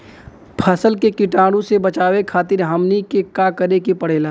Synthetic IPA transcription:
pʰəsəlkekɪʈaːɽõsebɐt͡ʃaːʋekʰaːt̪̬ɪɾɦəmnikekakəɾekepəɽ̤eːlaː

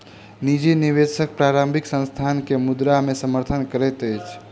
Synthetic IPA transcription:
nid͡ʒiniβesək̚pɾaɾəmbʱiksə̃nst̪ʰankemud̪ɾamesəməɾt̪ʰənkəɾɛt̪əjt͡ʃʰ

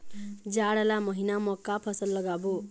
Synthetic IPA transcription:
d͡zaɽʌlamʌɦinamʌkːapʰʌsʌlːʌɡabo

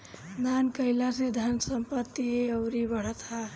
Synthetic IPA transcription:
d̪ankəɪlased̪ʱənsəmpət̪ːiəʊɾibəɽ̤ət̪a

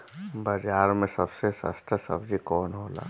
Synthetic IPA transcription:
bəd͡ʒaːɾmẽsəbsesə̰st̪əsəbd͡ʒikɔːnɦoːla̰ː

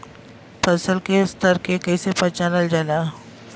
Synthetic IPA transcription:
pəsəlkest̪əɾkekəisepət͡ʃaːləld͡ʒala

